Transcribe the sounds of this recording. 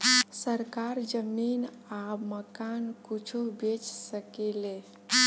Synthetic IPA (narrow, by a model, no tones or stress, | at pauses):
səɾkaɾd͡ʒəmin | aməkankut͡ʃʰubet͡ʃsəkele